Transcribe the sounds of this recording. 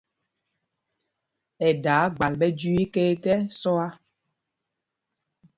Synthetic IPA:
ɛ˨da˨˦ɡ͡ba˨lɓɛ˦d͡ʒu˦i˦ke˦kɛ˦sɔ˦a˦

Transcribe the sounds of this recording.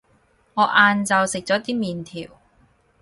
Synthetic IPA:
ŋɔː˨˧ʔaː˧nt͡sɐ˧wsɪ˨k̚t͡sɔː˨˥t̪iː˥miː˨nt̪ʰiː˨˩w

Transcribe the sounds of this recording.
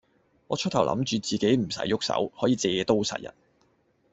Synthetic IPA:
ŋɔː˨˧t͡ʃʰt̪̚ʰwlʔɐ̰˧˥mt͡ʃyː˨˧t͡siː˨ke˨˥jm̩˨˩sɐ̰˨˥jːʊ˥k̚sɐ̰˨˥whɔː˨˥jiː˨t͡sɛː˨˧t̪o˥wsɐ̰˨t̚jɐ̰˨˩n

